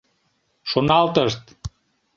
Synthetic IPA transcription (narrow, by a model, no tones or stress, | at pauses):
ʃonɑlt̪əʃt̪